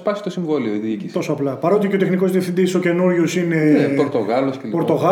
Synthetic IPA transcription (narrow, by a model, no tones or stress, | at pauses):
spɐsi̥t̪osiɱvolioiðiicisto̞soːplɐpɐɾo̞t̪iceot̪exniko̞zðiefθind̪iso̞ce̞nuɾʝosineepoɾt̪oɣɐloscelpɾt̪o̞ɣɐ